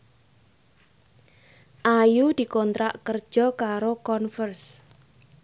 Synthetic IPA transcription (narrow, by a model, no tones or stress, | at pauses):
ʔajud̪̥i̤kɔnt̪ɾaʔkərd̥ʒ̥ɔ̤kaɾokɔnfərs